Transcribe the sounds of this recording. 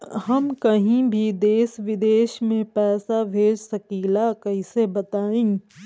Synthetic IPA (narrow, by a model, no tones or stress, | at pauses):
hɐmkɐɦĩbʱid̪eːsʋɪd̪eːʃmẽpɛːsabʱeːd͡ʒsɐkiːlakɐɦĩsebɐt̪aːẽː